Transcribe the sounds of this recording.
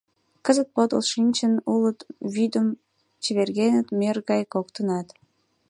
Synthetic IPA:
kəzət̪̚pot̪ə̰lʃinʲt͡ɕənulət̪βyd̪əm | t͡ɕəβerɣenət̪merɣɑjkokt̪ənɑt̪

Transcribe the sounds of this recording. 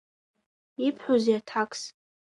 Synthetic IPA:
ipʰħozeatʰakʰʼs

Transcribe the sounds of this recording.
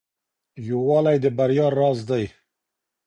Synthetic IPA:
jowɑlajd̪əbaɾjɑːɾːɑːzd̪aj

